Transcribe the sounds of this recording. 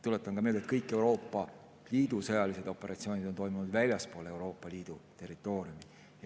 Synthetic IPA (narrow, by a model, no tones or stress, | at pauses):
t̪ule̞t̪ːˑɑnkɑmeld̪et̪kɤjkːˑe̞uwɾo̞ːpːˑɑ | liːd̪usɤjɑlise̞d̪̥o̞pːˑe̞ɾɑt̪sio̞ːnʲid̪̥o̞nt̪o̞jmunud̪vælʲjɑspo̞ːlee̞wɾo̞ːpːˑɑliːd̪̥ut̪e̞rːit̪ːˑo̞ːɾiumi